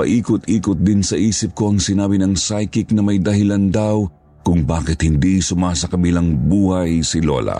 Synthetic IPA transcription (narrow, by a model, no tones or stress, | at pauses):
ɐ̰ʔiːkʊt̪ʔiːkʊt̪̚d̪ɪnsɐʔiːsɪp̚ko̞ɐŋsɪnaːbɪnɐŋsajkɪknɐmɐjd̪ɐɦɪland̪aw | kʊŋbaːkɪt̪hɪnd̪isʊmasɐkɐbilaŋbuːhɐjsɪlo̰lɐ̰